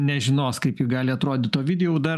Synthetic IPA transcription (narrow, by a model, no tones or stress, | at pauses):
nʲɛʒʲɪnoːskɐɪpjɪɡɑːlʲɪɐt̪ɾoːd̪ʲɪt̪t̪oːʋʲɪd̪ʲɛjuːd̪ɐ